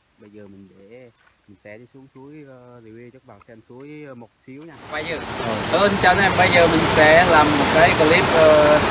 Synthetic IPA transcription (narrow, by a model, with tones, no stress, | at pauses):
ɓə˧jzəː˨˩mï˨˩ŋɗe˧˩mï˨˩ŋ̟sɛ̰˧˥ɗsu˨˦əŋsu˨˦əjəː˨ | li˧˨˩wi˧t͡ɕə˦˥k̚ɓa˨˩sɛ˧msu˨˦əjmo˨˩t̚si˨˦əwɲa˧ɓaː˧˩jzəː˨˩o˨˩ʔəː˨˧˩t͡ɕə˧˦nʔɛ˧mɓa˧jzəː˨˩mï˨˩ŋ̟sɛ̰˧˥laː˨˩mːo˨˩t̚kaː˨˦jkə˨˩li˦˥p̚ʔəː˧